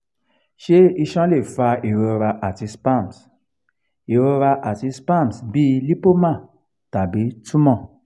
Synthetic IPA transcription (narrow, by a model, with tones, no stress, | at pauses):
ʃe˦i˧ʃɔ̃˦le˦˨fa˧e˨ɾo˧ɾa˧ʔa˨ti˨˧spã˦˨ms | e˨ɾo˧ɾa˧ʔa˨ti˨˧spã˦˨msbi˦li˦po˦mã˦˨ | ta˨bi˨˦tu˦mɔ̃˦˨